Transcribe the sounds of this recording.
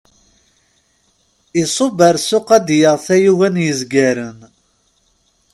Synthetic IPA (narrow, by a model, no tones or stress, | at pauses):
isˤobəɾsʊqæd̪jəʁθæjuwænjəzɡæɾən